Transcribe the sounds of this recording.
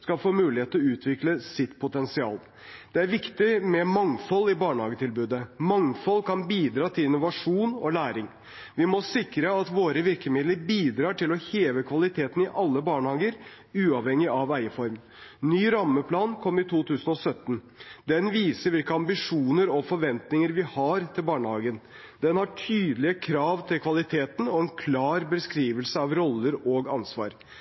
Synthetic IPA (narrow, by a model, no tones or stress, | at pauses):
skɑlfoːmʉːlɪheːt̪lɔʉːt̪ʰʋɪkləsɪt̪pʰʊt̪ɛnsɪɑ̰ːl | d̪̥ɛæɾʋɪkt̪ɪmɛmɑŋfɔlːɪbɑːɳəhɑːɡət̪ʰɪlbʉːd̪əmɑŋfɔlːkʰɑnbiːd̪ɾɑːt̪ʰɪlɪnʊʋɑʂuːnɔlæːɾɪŋ | ʋɪmɔsɪkɾəɑt̪ʋoːɾəʋɪɾkəmɪd̪ləɾbiːd̪ɾɑːʈʰɪlɔheːʋəkʰʋɑlɪt̪ʰeːt̪n̩ɪʔɑlːəbɑːɳəhɑːɡəɾ | ʉːɑʋhɛŋːɪʔɑʋæɪəfɔɾmn | nyːɾɑmːəpʰlɑːnkʰɔmːɪt̪ʰuːt̪ʰʉːsənɔsœt̪ːn | d̪ɛnʋiːsəɾʋɪlkəɑmbɪʂuːnəɾɔfɔɾʋɛnt̪nɪŋəɾʋɪhɑɾt̪ʰɪlbɑːɳəhɑːɡən | d̪ɛnhɑʈʰyːd̪lɪəkʰɾɑːʋt̪ʰɪlkʰʋɑlɪt̪ʰeːt̪n̩ɔɛnkʰlɑːɾbəskɾiːʋəlsəɑʋɾɔlːəɾɔɡɑnsʋɑ̰ːɾ